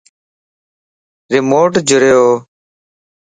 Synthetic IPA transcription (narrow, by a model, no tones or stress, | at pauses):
ɾɪmoːʈd͡ʒʱʊɾeːoː